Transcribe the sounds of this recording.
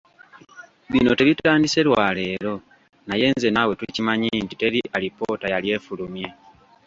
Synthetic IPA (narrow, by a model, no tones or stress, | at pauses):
βino̞te̞βitaːndise̞lwale̞ːɾo̞ | naje̞ːnze̞nawe̞tucimaɲintite̞ɾiʔalipo̞ːtajalje̞ːfulumje̞